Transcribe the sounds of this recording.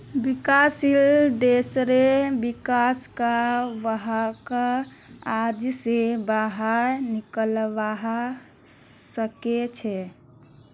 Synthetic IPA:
bikasilɖ̪esɾebikaskaʋəɦaka | ad͡ʒsebaɦəɾnikəlʋaɦa | səket͡ʃʰɛ

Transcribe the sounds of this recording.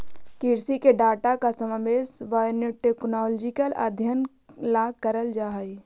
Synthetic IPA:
kiɾsikeɖaːʈakasəmaʋeːsʋaːjənjəʈeknɔːld͡ʒɪkələ̰d̪ʱjən | laːɡ̚kəɾəld͡ʒaːɦəi

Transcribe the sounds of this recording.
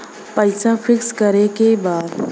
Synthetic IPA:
pəjsãfʰikskəɾekebad̪

